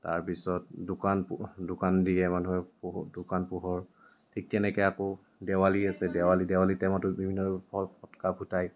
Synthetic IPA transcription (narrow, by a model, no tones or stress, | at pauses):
ta̰ɹpisɔt̚dʊkanpdʊkandijɛmanuɦɛpdʊkanpuɦɔɹ | tʰik̚tɛnɛkɛakɔ | dɛwaliasɛdɛwalidɛwalitɛmatʊbibʱinːɔpʰɔlpʰɔtɔ̥kabʱutaj